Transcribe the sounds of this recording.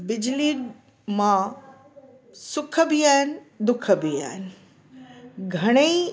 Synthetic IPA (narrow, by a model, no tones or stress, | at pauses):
bɪd͡ʑliː | mã | sʊkʰə̆biaːɦɪnɪ̆ | d̪ʊkʰə̆bia̰ːɦɪnɪ̆ | ɡʱɐɽ̃ei